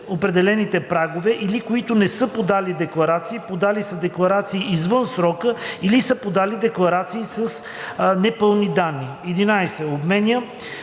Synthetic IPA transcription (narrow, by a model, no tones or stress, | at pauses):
opɾɛd̪ɛlɛnit̪ɛpɾaɡovɛʔilikoit̪ʊnɛsɤpod̪alid̪ɛklˠɐɾat̪siːpod̪alisəd̪ɛklˠɐɾat̪siːʔizvɤnsɾɔkəilisəpod̪alid̪ɛklˠɐɾat̪siːsəs | nɛpɤlˠnid̪anːi | ɛd̪inajsɛobmɛnʲə